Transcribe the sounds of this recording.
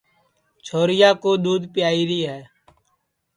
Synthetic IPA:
t͡ʃʰoːɾɪjaːkoːɗ̪uːd̪pjaːiːɾiːɦɛː

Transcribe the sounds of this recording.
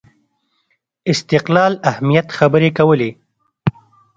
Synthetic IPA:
ɪst̪ɪqlɑːlahmijat̪xabəɾekawəle

